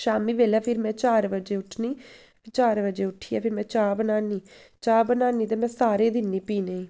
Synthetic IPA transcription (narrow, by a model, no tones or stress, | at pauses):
ʃaːmiːʋeːlaːpʰɪɾmɛ̃ːt͡ʃaːɾʋəd͡ʒeːʊʈʰniː | pʰɪt͡ʃaːɾʋəd͡ʒeːʊʈʰːiːa̰ːpʰɪɾmɛ̃ːt͡ʃaːbənaːniː | t͡ʃaːbənaːniːt̪̬ãːmɛ̃ːsaːɾeːd̪ɪnːiːpiːneː